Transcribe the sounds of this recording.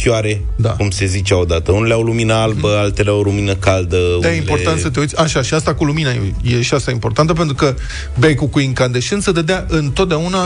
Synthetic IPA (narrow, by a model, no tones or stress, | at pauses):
kʲjaɾe̞ | d̪a̰kumse̞zit͡ʃeaod̪at̪əuneleawluminəalbəalt̪eleawluminəkald̪əd̪ajeimlpo̞rt̪ant̪sət̪̬e̞uit̪sʲaʃaʃiast̪akuluminajḛje̞ʃiast̪aimpo̞rt̪ant̪əp̬e̞nt̪ɾukə | bajkukuiŋkand̪eʃɨnsəd̪əd̪eaʔɨnt̪ot̪d̪eauna